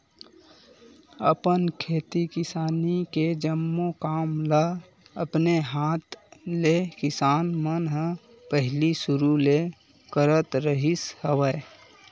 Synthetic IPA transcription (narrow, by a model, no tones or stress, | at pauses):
əpənkʰeːt̪ikɪsaːniked͡ʒəmːokaːmlə | əpneɦaːt̪lekɪsaːnmənɦə̃ | pəɦɪlisʊɾule | kəɾət̪ɾəɦishəwə